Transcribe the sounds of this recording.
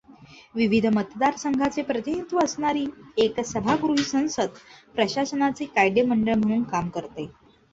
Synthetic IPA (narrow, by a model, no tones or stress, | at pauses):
ʋiʋid̪ʱmət̪d̪aɾsəŋɡʱat͡sepɾət̪init̪ʋəəsɳaɾiːeksəbʱaɡɾuɦiːsə̃w̃səd̪̚pɾəɕasənat͡siːkajɖjəməɳɖəɭm̤əɽ̃uːnkamkəɾt̪e